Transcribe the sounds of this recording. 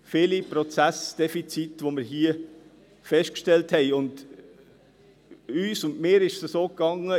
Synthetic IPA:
fɪlipɾɔt͡sæsd̥ɛfit͡sitʋomɪɾɦiə | fɛʃtkʃtɛlthɛɪʊnd | yːsʊndmɪːɾɪʃsəsoːkɑŋːə

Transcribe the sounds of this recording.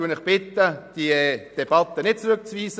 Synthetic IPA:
uənɪχb̥ɪt̪ːəd̥iəd̪̥eb̥ɑt̪ːənɪt̚t͡sɾʏk̚t͡sviːsə

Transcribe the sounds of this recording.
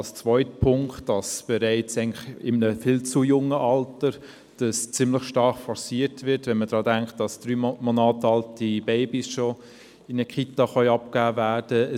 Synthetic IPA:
lst͡svœʏtəpʰʊŋktd̥ɑsb̥ɛɾæɪt͡sæɪɡŋnlɪχɪmnəfilt͡sujʊŋːəʔɑltəɾ | d̥ɑst͡sɪmləχʃtɑɾχfɔsiːɾtvɪtvɛnməd̥ɾɑːdæŋkχt̚d̥ɑsd̥ɾyːmɔnɑːtɑltibɛɪbisʃɔ | ɪnəkχitɑχœʏɑpkæːvæːd̥əə

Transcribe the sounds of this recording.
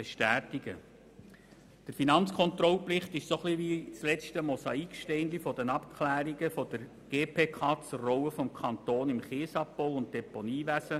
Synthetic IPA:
b̥eʃtæːtiɡ̥ə | d̥əɾfinɑnt͡skʰɔnt̪ɾɔlplɪχtɪʃsoχliʋit͡slɛt͡stəmɔsɑikʃtɛɪnd̪ifɔdənɑpkχlæːɾiɡəfɔd̥əɾ | ɡ̥eːpʰeːkʰɑːt͡surɔwəfɔmkʰɑntoːnɪmχeːsɑppɔwʊnt̚d̥ɛponiːʋæsə

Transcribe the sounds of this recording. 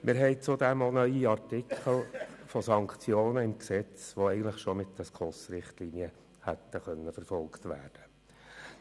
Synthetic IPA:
mʔɪɾɦɛɪt͡sʊd̪ɛmonœʏiɑrtɪkʰəl̩fɔsɑŋkt͡sjoːnəɪmksɛt͡sʋoɛɪɡən̩tləχʃomɪt̪ːəskʰɔsɾɪχt̪liːniə | hæt̪ːəχœnːəfəɾfɔlkt̪ʋæ̰ːrd̥ə

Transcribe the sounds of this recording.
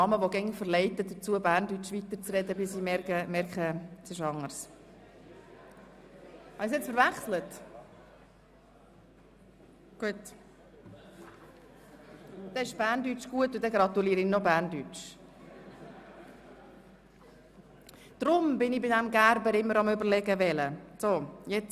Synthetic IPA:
ɑməʋoɡɛŋəfəɾlɛɪtəd̪ət͡suəbæːrndyt͡ʃʋit̪əɾt͡srɛdəbɪsimɛkəmɛɾkχəsɪʃɑŋəɾs | hɑnɪsɛt͡sfəɾvæχslət | ɡ̥uət | d̥̪ɛɪʃb̥æːɾndyt͡ʃɡ̥uətʊd̪ɛɡɾɑt̪uliːɾəɪnobæːɾndyt͡ʃ | d̪̥ɾʊmbɪnɪbɪdɛmɡæɾbəɾɪmːəɾɑmʏbəɾlɛɡəvɛləsojɛt͡s

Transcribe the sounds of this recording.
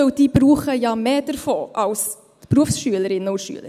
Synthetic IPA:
œwd̥iːbɾuːχəjɑmeːd̥əɾfoːʔɑws | tpɾuəfsʃyːələɾɪnəʊʃy̰ːələ̰ɾ

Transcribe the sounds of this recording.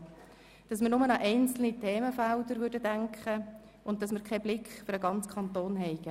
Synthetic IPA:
d̥ɑsmɪɾnʊmənɑʔɛɪnt͡sl̩nitʰeːməfældəɾʋʏɾdədæŋkχə | ʊnttːɑsmɪːɾkʰɛblɪkχføɾəɡɑnt͡skʰɑnt̪oːnɦɛɪɡ̥ə

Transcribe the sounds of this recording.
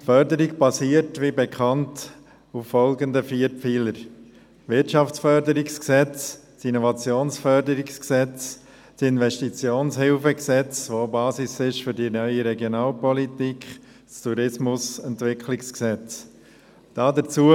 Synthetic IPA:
tfœɾdəɾikb̥ɑsiːəɾtʋibɛkʰɑnt | ufːɔlɡəndəfiːəɾfiːləɾ | ʋɪtʃɑft͡sfœɾdəɾɪksksɛt͡s | sinɔvɑt͡sjoːnsfœɾdəɾɪksksɛt͡s | sɪnvɛʃtit͡sjoːnshɪlfəksɛt͡sʋobɑːsisɪʃfʏɾdinœʏiɾɛɡjonɑːlpɔlitikχ | stuɾɪsmʊsɛntvɪkχlɪksksɛt͡s | d̥ɑːdət͡suə

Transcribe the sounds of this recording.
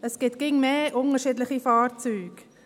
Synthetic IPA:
əsɡ̥ɪt̪ɡ̥ɪŋmeːʔʊnəʃiːdləχifɑːrt͡syːɡ

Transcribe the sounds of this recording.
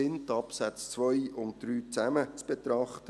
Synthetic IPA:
ɪntɑpsæt͡st͡sʋœjʊnt̚d̥ɾyːt͡sæmət͡sb̥et̪ɾɑχtə

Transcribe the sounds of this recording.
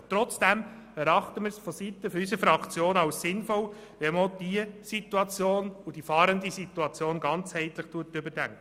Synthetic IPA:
t̪ɾɔt͡sd̥ɛm | ɛɾɑχt̪əmɪɾsfɔsit̪əfɔɾysəfɾɑkt͡sjoːnɑwssɪnfɔw | ʋɛmod̥iəsit̪uɑt͡sjoːnud̥ifɑːɾəndisituɑt͡sjoːnɡɑnt͡shɛɪtləχtuətʏbəd̥æŋkə

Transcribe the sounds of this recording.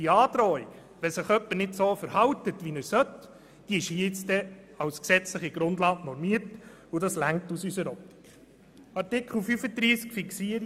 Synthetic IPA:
iɑːdɾɔj | ʋɛsɪχœpːəɾnɪdsoːfəɾhɑwtətʋinəɾsœt | d̥iɪʃhiɪt͡stɛ | ɑwsksɛt͡sləχiɡ̥ɾʊndlɑːknɔɾmiəɾt | ʊdɑslæŋk̚tusysəɾɔti̥k | ɑrtɪkχəl̩fyfədɾiːskfiksiəɾ

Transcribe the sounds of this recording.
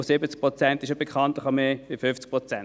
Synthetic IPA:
osɪbət͡sk̚pʁot͡sɛntɪʃobekʰɑntlɪχameːvifʏft͡sk̚pʁɔt͡sɛn

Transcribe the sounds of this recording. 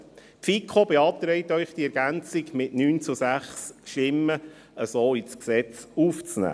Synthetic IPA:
fikʰobeɑːp̚t̪ɾɛɪtœʏχd̥iɛɾɡ̥ænt͡sɪkmɪʔnyːnt͡susæχsʃtɪmːə | əsoːit͡sksɛt͡suːft͡snæ̰ː

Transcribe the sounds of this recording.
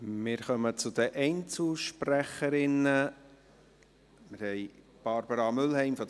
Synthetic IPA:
mɪːɾχœmət͡sʊd̪əʔɛɪnt͡suʃpræχəɾɪnə | mɪɾhɛɪ | b̥ɑɾbəɾɑmʏlɦɛɪmfɔ

